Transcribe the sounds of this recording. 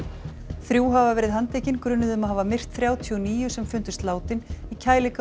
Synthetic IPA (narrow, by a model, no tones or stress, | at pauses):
θɾjuːɦavavɛːɾɪðɦant̪eːjcɪnkɾʏnːʏðʏmaɦaːvamɪr̥t̪θɾjaːwt̪ʰjɔniːjʏsɛmfʏnt̪ʏ̥st̪laːwt̪ɪnicʰaːjlɪk